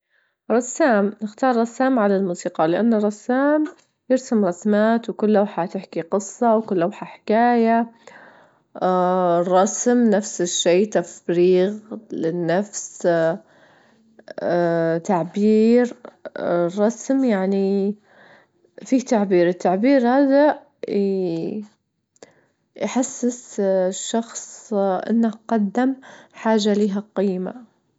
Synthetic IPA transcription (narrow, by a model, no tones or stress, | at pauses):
ɾˤɑsːaːmnɪxt̪ɑːɾˤːɑsːaːmʕalalmuːsiːqɑlɪʔanːrˤɑsːaːm | jɪɾsamɾˤɑsmaːt̪wkʊlːawħat̪ɪħkiqɨsˤːɑwkʊlːʔawħaħɪ̥kaːja | rˤːɑsmnafsɪʃːeːt̪afɾiːɣlɪnːafs | t̪aʕbiːɾ | rˤːɑsmjaʕni | fiːt̪aʕbiːɾɪt̪ːaʕbiːɾhaːða | jħasːɪsʃːɑxsˤʔɪ̰nːaqɑd̪ːɪmħaːʒaliːɦaqiːma̰